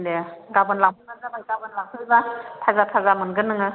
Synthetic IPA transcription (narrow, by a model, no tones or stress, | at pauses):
ndeɡabɯnlawpʰɯnazabajɡabɯnlawpʰɯbatʰazatʰazamɯnɡɯnːɯŋɯ